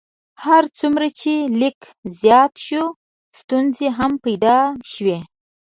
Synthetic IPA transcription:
haɾt͡sumɾat͡ʃelɪk | zjɑt̪ʃu | st̪unzeɦampajd̪ɑʃwe

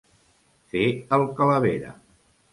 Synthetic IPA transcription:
feəlˠkələβḛɾə̰

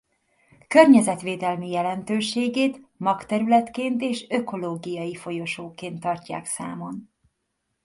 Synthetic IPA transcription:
kørɲɛzɛt̪ʋeːd̪ɛlmijɛlɛnt̪øːʃeːɡeːt̪mɒkt̪ɛɾylɛt̪keːnt̪eːʃøko̞loːɡijɒjifo̞jo̞ʃoːkeːnt̪ːɒrca̰ːksa̰ːmo̞n

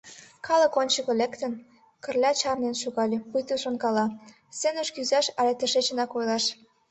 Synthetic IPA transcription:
kʰɑlə̆konʲt͡ɕəkɤ̆lekt̪ə̆n | kə̆rlʲɑt͡ɕɑrnenʃuɣɑlʲĕpujt̪əʃonkɑlɑ | senə̆ʃkyzɑʃɑlʲet̪ə̆ʃet͡ɕə̆nɑkojlɑʃ

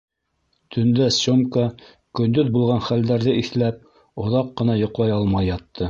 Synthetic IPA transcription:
t̪ʰɵ̆nd̪æsomkɑ | kɵ̆nd̪ɵðbulˠʁɑnχæld̪æɾðɘiθlæp̚ | ŏðɑqːɤ̆nɑjŏqlˠɑjɑlˠmɑjːɑt̪ːɤ

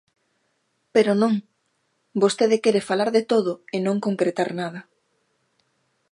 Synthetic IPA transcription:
peɾonõŋ | bost̪eðɪkeɾefalaɾðet̪oðʊɪnõŋkoŋkɾet̪aɾnað̞ɐ

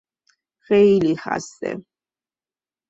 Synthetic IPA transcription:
ɣɛjliχa̰sɛ̰

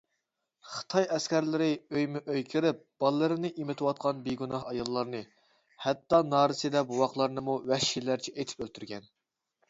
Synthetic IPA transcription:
χə̥t̪ʰɑjɛskʲʰæɾlɪɾɪøjmɪʔøjkʲʰiɾɪp̚b̥ɑlˠːɨɾɨnɨʔimɪt̪ʰɨwɑt̪̚qʰɑnbeɡunɑɦɑjɑlˠːɑɾnɨ | hɛt̪ːɑnɑːɾɨsɨd̪ɛbuwɑχlˠɑɾnɨmuwɛhʃilːæɾt͡ʃʰɛʔet̪ʰɪ̥pølt̪ʰyɾɡʲɛn

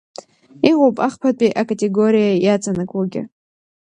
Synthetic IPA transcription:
iʁowpʼaχpʰapʼiʔakʼatʼe̞ɡoɾijajat͡sʼanɨkʼaɡʲɪ̰

